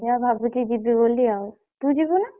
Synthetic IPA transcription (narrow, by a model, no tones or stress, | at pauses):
jabʱabutid͡ʒibiboliaw | t̪ud͡ʒibuna